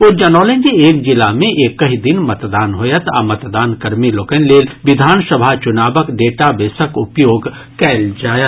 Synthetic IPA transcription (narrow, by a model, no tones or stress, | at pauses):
oːɾd͡ʒɐnɔːlẽnd͡ʒieːk̚d͡ʒɪlamẽʔeːkːɐɦid̪ɪnmɐt̪d̪aːnɦojət̪a̰mɐt̪d̪aːnkɐɾmiloːkənleːlʋɪd̪ʱaːnsɐbʱat͡ʃʊnaːbəkɖeːʈabeːsəkʊpjoːɡ | kɛːld͡ʒaːjət̪